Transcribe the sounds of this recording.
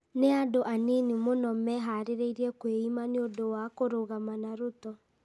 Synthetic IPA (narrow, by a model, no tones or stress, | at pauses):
neadoʔanenimonɔmɛɦaɾeɾeiɾɛkweimaneodowakoɾoɣamanaɾotɔ